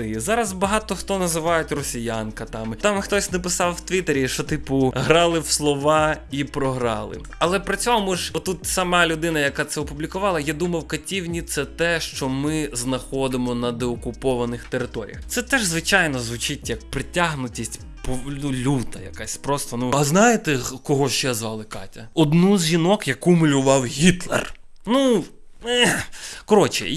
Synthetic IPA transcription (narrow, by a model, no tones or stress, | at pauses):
ɪzɑɾɐzbɐɦɑt̪ɔxt̪ɔnɐzɪʋɑjʊtʲrɔsʲijankɐt̪ɑmt̪ɑmxt̪ɔsʲnɐp̬ɪsɑwwt̪ʋʲit̪eɾʲiʃt͡ʃɔt̪ɪpʊɦɾɑlˠɪwslˠɔʋɑipɾɔɦɾɑlˠɪ̰ | ɐlˠɛpɾɐt͡sʲɔɦɔmʊʒɔt̪ːut̪sɐmɑlʲʊd̪ɪnɐjɐkɑt̪sɛɔpʊblʲikʊʋɑlˠɐjad̪umɐwkɐtʲiwnʲit̪sɛt̪ɛʃt͡ʃɔmɪznɐxɔd̪ɪmɔnɐd̪ɛɔkʊpɔʋɐnɪxt̪eɾɪt̪ɔɾʲḭjɐxtsɛt̪ɛʒzʋɪt͡ʃajnɔzʋʊt͡ʃɪtʲjɐk̚pɾɪtʲːaɦnʊtʲisʲtʲ | pɔnulʲut̪ɐjɐ̰kasʲpɾɔst̪ɐnuɐznɑjɪt̪ɛkɔɦɔt͡ʃɛzʋɑlˠɪkɑ̰tʲɐɔd̪nuzʲʒinɔkjɐkumʊlʲʊʋɑwɦʲit̪lˠḛr | nu | ɛkɔɾɔt͡ʃɪ̰